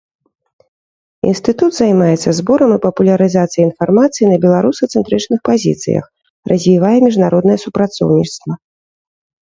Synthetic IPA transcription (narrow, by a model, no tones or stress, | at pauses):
ḭnst̪ɨt̪ud̪zajmajɛt̪sːɐzbɔɾɐmɨpɐpulʲɐɾɨzat̪sɨjɐinfarmat̪sɨjinɐbʲɛlˠaɾusɨt̪sɛnt̪ɾɨt͡ʂnɨxpazʲḭt̪sɨ̰jɐ̰x | rʔɐzʲvʲivajɛmʲiʐnaɾʔɔd̪nɐjɛsupɾat̪sɔ̰wnʲist̪vɐ